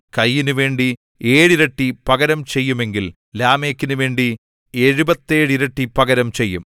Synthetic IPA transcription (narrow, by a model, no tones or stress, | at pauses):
kɐjːinuʋe̞ːɳɖi | e̞ːɻiɾɐʈːipɐɣɐɾɐmt͡ɕe̞jːume̞ŋɡil | laːme̞ːkːinuʋe̞ːɳɖi | e̞ɻubɐt̪ːe̞ːɻiɾɐʈːipɐɡɐɾɐmt͡ɕejːum